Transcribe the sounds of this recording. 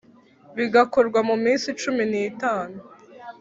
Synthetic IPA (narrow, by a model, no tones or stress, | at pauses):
βiɡakoɾɡwamumiːnsit͡ʃuminiːtaːnu